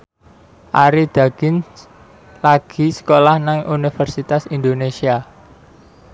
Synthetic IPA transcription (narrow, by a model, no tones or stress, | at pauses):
ʔaɾid̪̥a̤ɡ̥ɪn | laɡ̥i̤sə̥kolahnaŋʔunifərsit̪asind̪onesia